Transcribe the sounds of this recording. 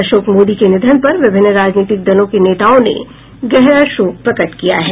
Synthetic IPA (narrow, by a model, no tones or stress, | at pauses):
ɐʃoːkmoːd̪ikenɪd̪ʱənpɐɾʋɪbʱɪnːɾaːd͡ʒniːt̪ɪk̚d̪ɐlõkeneːt̪aːõnḛ | ɡɛɦɾaʃoːk̚pɾɐkəʈ̪kija̰ɦɛː